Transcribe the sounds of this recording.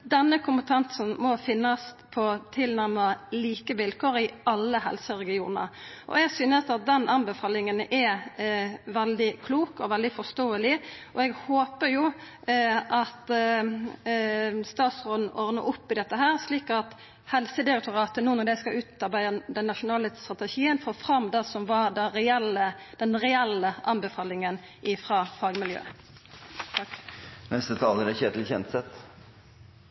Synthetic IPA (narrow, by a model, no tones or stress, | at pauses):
d̪ɛnːəkʰʊmpət̪ʰɑnsn̩mɔfɪnːɑs | pʰɔt̪ʰɪlnæɾmɑliːkəʋɪlkʰoːɾɪɑlːəhɛ̰lsəɾɛɡɪuːnə̰ʔɔ̰ɛɡsyːnəsɑt̪̚d̪ɛnɑnbɛfɑːlɪŋənʔɛ | ʋɛld̪ɪkʰluːkɔʋɛld̪ɪfɔst̪oːəlɪʔɔɛɡhoːpəɾjuː | ʔɑt̪ | st̪ɑːt̪sʁoːd̪n̩ɔʁnəʔʊpːɪd̪ɛt̪ːəɦæːʁsliːkɑt̪ | hɛlsəd̪ɪɾɛk̚t̪ʊʁɑːt̪ənuːnɔd̪ɛskɑʔʉːt̪ɑʁbæɪəd̪ɛnːɑʃʊnɑːləst̪ʁɑt̪ɛʃiːənfɔʁoɔːfʁɑmd̪ɑsɔmʋɑɾd̪ɑɾɛɛləd̪̥ɛnʁɛɛlːəʔɑnbɛfɑːlɪŋən | ʔɪfʁɑːfɑːɡmɪljø̰ː | nɛst̪ət̪ʰɑːləd̪ɛçeːt̪lçɛnt̪sɛt̪